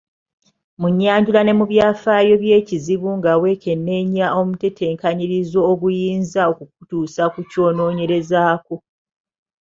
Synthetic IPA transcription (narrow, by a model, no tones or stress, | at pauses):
muɲːaːɲɟulane̞muβjaːfaːjo̞βje̞ːciziβuŋɡawe̞kʰe̞nːe̞ɲao̞mutetʰe̞ːŋkaɲiɾizo̞ːβujiːnzaokuk̚utuːsakuco̞ːno̞ːɲe̞ɾe̞zaːko